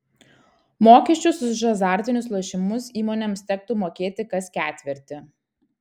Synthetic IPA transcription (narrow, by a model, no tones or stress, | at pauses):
moːkʲɛʃʲt͡ʃʲʊsʊʒɐzɑːˑɾʲt̪ʲɪnʲʊslˠoʃʲɪmʊsiːmoːnʲɛmst̪ʲɛk̚t̪ʊmoːkʲeːt̪ʲɪkɐskʲæːt̪ʲʋʲɪɾʲt̪ʲɪ